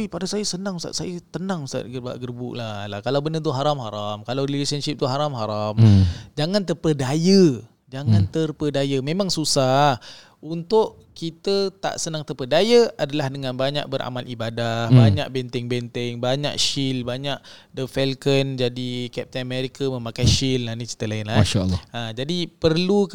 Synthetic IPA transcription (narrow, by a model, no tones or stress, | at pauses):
ipadasajəsənaŋsta̰ʔsajat̪ənaŋsa̰ʔ̪̚ɡərba̰ʔɡərbṵʔlalahkalawbənət̪̬uɦaɾamɦaɾamkalawilesənʃɪp̚t̪uɦaɾamɦaɾamd͡ʒaŋant̪əpədajə | d͡ʒaŋant̪ərpədajəmẽmaŋsusah | unt̪ʊʔ | kit̪ət̪a̰ʔsənaŋt̪əpədajəadalahdəŋanbaɲa̰ʔ̚bəɾa̰malʔibadahbaɲaʔ̚bɛnt̪ɛŋbɛnt̪ɪŋbaɲa̰ʔ̚ʃilbaɲaʔ̚ | dəfɛlkənd͡ʒadikɛp̚t̪ənameɾikamə̃makajʃilnahnit͡ʃi̥t̪əlaɪnlaaʃa̰lːad͡ʒadipərlu